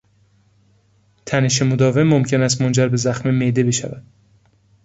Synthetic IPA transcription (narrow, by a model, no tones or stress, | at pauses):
t̪ʰæneʃe̞mod̪ɒːve̞mːomcʰe̞næst̪mo̞nd͡ʒæɾbe̞zæxmemed̪ebe̞ʃæ̰væ̰d̪̥